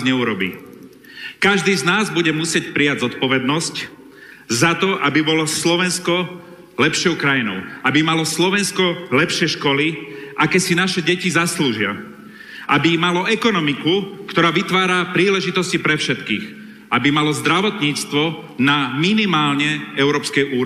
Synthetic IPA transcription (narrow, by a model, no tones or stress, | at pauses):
ɲɛuɾɔbḭː | kaʒd̪iːznaːzbuɟɛmusɪɛcpɾiaɟzɔt̪pɔʋɛd̪̚nɔsc | zat̪ɔʔabibɔlɔslɔʋɛnskɔ | lɛpʃɪɔʊkɾajinɔʊabimalɔslɔʋɛnskɔlɛpʃɪɛʃkɔliʔakɛːsinaʃɛɟɛcizasluːʒɪa̰ | ʔabimalɔɛkɔnɔmikukt̪ɔɾaːʋit̪ʋaːɾapɾiːlɛʒit̪ɔscipɾɛfʃɛt̪kḭːx | ʔabimalɔzd̪ɾaʋɔt̪ɲiːt͡st̪ʋɔnaminimaːlɲɛɛʊɾɔːpskɛjʔuːɾ